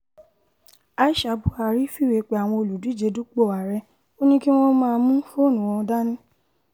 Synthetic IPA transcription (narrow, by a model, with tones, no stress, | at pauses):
a˧i˦ʃa˨˧˨bu˦a˧˨ɾi˦fi˦˨we˨˧k͡pe˨a˨w̃ɔ̃˧o˧lu˨du˨˦˨d͡ʒe˧du˦k͡po˦˨a˨ɾɛ˧ | o˦nĩ˦ki˦w̃ɔ̃˦mãː˦˧mũ˦fo˦˨nũ˨wɔ̃˧da˦nĩ˦